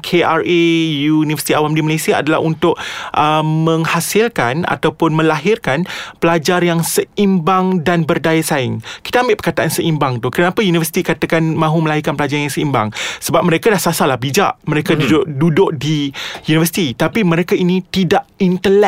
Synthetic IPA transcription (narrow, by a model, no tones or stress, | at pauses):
kʰeʔarejunivəsit̪iawamdimalesia̰ːdala̰ɦunt̪ʊʔ̚ʔəmə̃ŋhasɪlkana̰t̪awpʊnmə̃laɦɪrkanpəlad͡ʒarjaŋsəimbaŋdanbərdajasaɪŋki̥t̪aambɪʔpərkat̪aʔansəʔimbaŋt̪ʊhkəɾənapajunivərsi̥t̪ikat̪akanmãɦuməlaɦirkanpəlad͡ʒarjaŋsəimba̰ŋsəbap̚məɾekadahsasalabid͡ʒa̰ʔmə̃ɾekadudʊʔdudʊʔ̚dijunivəsi̥t̪it̪apimə̃ɾekainĩt̪idaʔint̪əlɛ